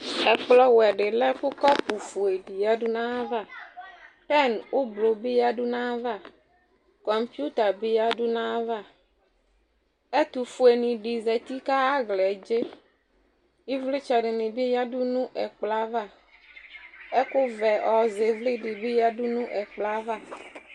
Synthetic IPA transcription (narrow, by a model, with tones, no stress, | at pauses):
ɛ˨k͡plɔ˦wɛ˨ɖɪ˨lɛ˦kʊ˦kɔ˦pu˨fu˨e˨ɖi˨ja˦ɖu˦nã˦va˦˨ | pɛ˦˨nʊ˦blo˨be˦ja˦ɖu˦nã˦va˦˨ | kɔ˨mpi˦u˦t̪a˨bi˦ja˦ɖu˦nã˦va˦˨ | e˦t̪u˨fu˨e˨nĩ˨ɖi˨zɛ˨t̪i˦ka˦a˦ɡlɛ˨d͡ʒe˦ | i˦vli˦t͡ʃɛ˨ɖɪ˨nɪ̃˨bi˦ja˦ɖu˦nũ˦ʔɛ˨k͡pla˦va˦˨ | e˦kʊ˦vɛ˨ɔ˨ze˨vli˦ɖɪ˨bi˦ja˦ɖʊ˦nũ˦ʔɛ˨k͡pla˦va˦˨